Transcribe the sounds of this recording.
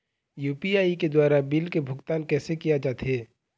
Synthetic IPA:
juːpiaːiked̪waːɾabɪlkebʱʊɡt̪aːnkɛːsekijad͡ʒaːt̪ɦeː

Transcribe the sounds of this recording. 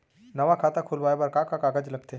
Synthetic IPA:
nɐʋakʰaːt̪akʰʊlʋaːebɐɾkakakaːɡəd͡ʒlɐɡ̚t̪e

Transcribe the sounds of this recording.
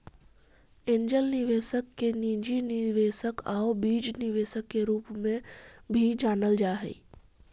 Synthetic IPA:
ẽːɲd͡ʒəlnɪʋeːʃəkːeniːd͡ʒiniʋeːʃəkaːʊbiːd͡ʒnɪʋeːʃəkːeɾuːpmẽbʱid͡ʒaːnəld͡ʒaːɦɛ̰i

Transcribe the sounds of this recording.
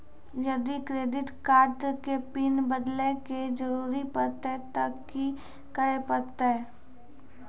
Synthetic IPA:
jɐd̪ikɾeːɖɪʈkaːɾʈkepiːnbəd̪leked͡ʒəɾuːɾipəɾt̪et̪ɐkː | i | kəɾepəɾt̪eɛ

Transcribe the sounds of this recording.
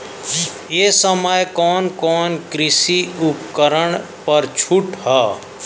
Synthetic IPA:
jeːsəməjkɔːnkɔːnkɾɪsiʊpkəɾəɽ̃ | pəɾt͡ʃʰʊʈɦaː

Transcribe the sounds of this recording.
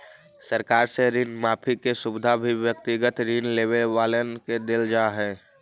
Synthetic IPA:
səɾkaːɾseɾiːnmaːpʰikesʊbɪd̪ʱabʱiʋjək̚t̪ɪɡət̪ɾiːnleːweʋaːlenked̪ɪld͡ʒaːɦɛ̃ː

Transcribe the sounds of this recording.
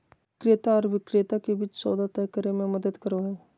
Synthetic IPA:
kɾet̪aɔːɾʋɪkɾet̪akebɪt͡ʃsɔːd̪ʱat̪əkəɾemẽmɐd̪əd̪kəɾoɦɛː

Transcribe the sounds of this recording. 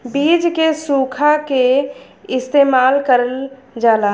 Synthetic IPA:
biːd͡ʒkesuːkʰake | ɪst̪eːmaːlkəɾəl | d͡ʒaːlaː

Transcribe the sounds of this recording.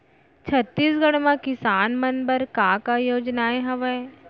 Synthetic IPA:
t͡ʃʰɐt̪ːiːsɡɐɽ̃mãkɪsaːnmɐnbəɾkãːkajoːd͡ʒnaeɦɐʋə

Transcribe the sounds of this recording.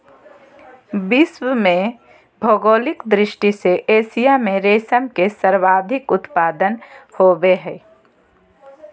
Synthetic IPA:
bɪswəmẽ | bʱoɡoːlɪkd̪ɾɪʃʈiseʔeːsijamẽɾeːsəmkesəɾʋaːd̪ʱɪkʊt̪paːd̪ənhoːweɦɛː

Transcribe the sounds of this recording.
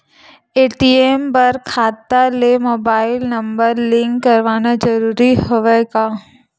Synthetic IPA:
eːʈiempɐɾkʰaːt̪ːalemoːbaːɪlnɐ̃mbəɾlɪ̃ŋkːɐɾʋaːnad͡ʒɐɾuːɾiɦoʋekaː

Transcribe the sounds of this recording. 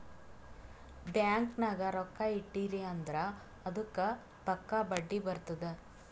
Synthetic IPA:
bjaːŋknaːɡɐɾɔkːaiʈːiɾiɐnd̪ɾɐː | d̪ukːɐ | p̪ɐkːabɐɖːibɐɾt̪ɐd̪e

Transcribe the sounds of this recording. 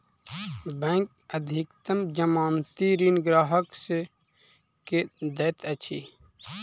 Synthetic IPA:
bẽŋk | əd̪ʱikt̪əmd͡ʒɐmaːmt̪iɾiːnɡɾaːɦəkse | ked̪ɐt̪ɐt͡ʃʰiː

